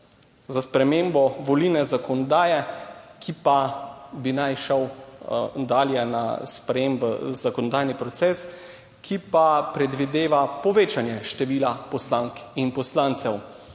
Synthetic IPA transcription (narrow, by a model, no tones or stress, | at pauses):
zaspɾɛmeːmbɔʋolinɛzakɔnɔd̪aːjɛkipabinajʃəw | d̪aːljɛna̰spɾɛjeːmbə̰zakɔnɔd̪ajnipɾɔt̪sɛːs | kʰipapɾɛd̪ʋid̪eːʋapɔʋeːt͡ʃanjɛʃt̪ɛʋiːlapɔslaːŋkinpɔslant̪sɛw